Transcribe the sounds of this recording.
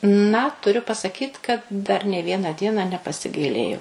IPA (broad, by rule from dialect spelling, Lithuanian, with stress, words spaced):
nɐ tʊˈrʲʊ pɐsɐˈkʲiːt kɐt dɐr nʲeː ˈʋʲiɛnɑː ˈdʲiɛnɑː nʲɛpɐsʲɪˈɡɐɪlʲeːjɛʊ